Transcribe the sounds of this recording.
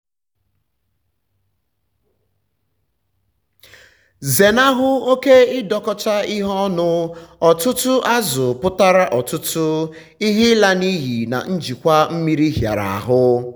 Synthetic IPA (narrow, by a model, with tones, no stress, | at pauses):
ze˨na˦ɦʊ˦o˦ke˦ɪ˦dɔ˨kɔ˦t͡ʃa˦ɪ˦ɦɔ˦nʊ˦ɔ˨tʊ˦tʊ˦ʔa˦zʊ˨pʊ˦ta˦ɾa˦ʔɔ˨tʊ˦tʊ˦ | i˦ɦi˦la˦ni˦ɦi˨na̰˨n̩˦d͡ʒi˨kʷa˦m̩˦mi˦ɾi˦ɦja̰˨ɾa̰˨a̰˨ɦʊ˦